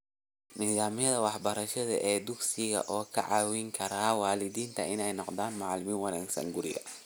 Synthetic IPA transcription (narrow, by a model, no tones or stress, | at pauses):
niːðaːmɪjɐðɐwɑħbɐɾɐʃɐðɐ̰ʔɛːd̪ʊɡsɪɣɐ̰ʔɔːkʰɐ̰ʕɑːwɪŋkʰɐɾaːwɑːlɪd̪iːnt̪ʰɐʔɪnɛjnɔqd̪aːnmɑʕlɪmiːwɑnaːɡsɐ̰ŋɡʊɾɪ̰ɣɐ̰